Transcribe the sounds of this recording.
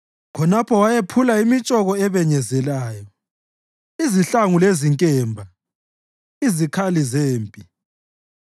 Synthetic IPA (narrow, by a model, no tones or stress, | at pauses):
kʰɔnapʰɔwajepʰulaimit͡ʃʼɔɣɔɛβɛɲɛzɛlaːjɔ | iziɬaŋuleziŋkʼɛːmbʱa | izikʰalizeːmpʼi